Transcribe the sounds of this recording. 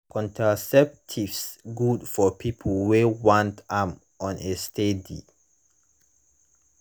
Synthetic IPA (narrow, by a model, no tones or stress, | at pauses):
kʰɔ̃ntʰasɛp̚tʰivsɡudfɔpʰipʰlwewãntãm | ʔɔ̃nestʰedḭ